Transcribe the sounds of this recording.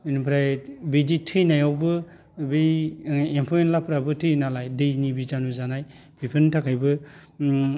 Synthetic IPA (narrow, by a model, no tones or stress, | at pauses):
inpʰɾajbiditʰɯjnajawbɯ | bi | empʰojenlapʰɾabɯtʰɯjnalajdɯjnibizanuzanaj | bʰipʰɯntʰakʰajbɯ